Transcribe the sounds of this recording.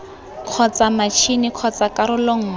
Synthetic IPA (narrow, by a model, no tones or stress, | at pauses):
kʰɔt͡samat͡ʃʰinɪkʰɔt͡sakaɾʊloŋ̩